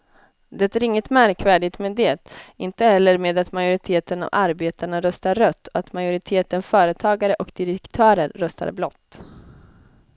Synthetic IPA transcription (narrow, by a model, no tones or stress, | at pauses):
d̪ɛt̪æːɾɪŋːət̪mæɾkvæːɖɪɡ̚t̪meːd̪eːt̪ɪnt̪əhɛlːəɾmeːd̪at̪majʊɾɪt̪ʰeːt̪əna̰vaɾbeːt̪aɳaɾœst̪aɾːœt̪ʰːɔat̪majʊɾɪt̪ʰeːt̪ənfœːɾət̪ʰɑːɡaɾəʔɔkd̪ɪɾɛkt̪ʰœːɾəɾːœst̪a̰ɾblɔt̪ː